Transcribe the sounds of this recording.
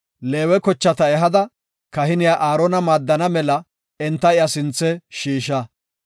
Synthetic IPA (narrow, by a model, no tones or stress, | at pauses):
le̞ːwɛkɔt͡ʃːɐt̪ɐɛɦɐd̪ɐ | kɐhɪnɪjaːʔaːɾɔnɐmaːd̪ːɐnɐmɛlɐ | ɛnt̪ːɐɪjɐsɪnt͡sːɛʃiːʃɐ